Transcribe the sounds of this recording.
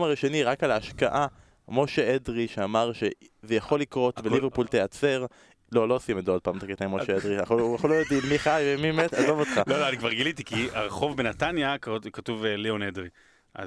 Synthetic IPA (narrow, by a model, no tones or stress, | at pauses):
maʁiʃo̞niʁakalaːʃka̰ʔa | mo̞ʃeedʁiʃeamaʁʃe̞ | vejaχo̞lːikʁo̞tbeliveʁpult̪ejat͡se̞ʁ | lolo̞simedood̚paːmt̪aket̪ajmoʃeedʁiaχaχolojod̪imiχajvemimet̪azo̞vot̪χaloloanikvaʁɡilitikiaʁeχo̞vbenatanjakatuvelionedʁi | ʔa̰